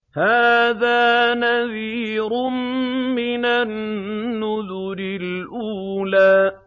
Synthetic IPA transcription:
haːðaːnaðiːɾʊnmɪnanːʊðʊɾɪlʔuːlaː

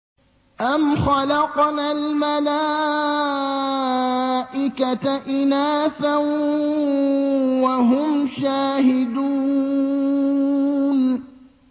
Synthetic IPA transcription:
ʔamxɑlɑqnaːlmalaː | ʔɪkat̪aʔɪnaːθan | waɦʊmʃaːhɪd̪uː | n

